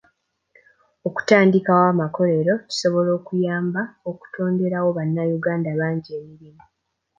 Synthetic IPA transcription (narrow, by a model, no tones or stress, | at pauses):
oku̥taːndikawaːmako̞le̞ɾo̞ci̥so̞βo̞lo̞ːkujaːmbaoku̥tʰo̞ːnde̞ɾawo̞βanːajuɡaːndaβaːɲɟieːmiɾimo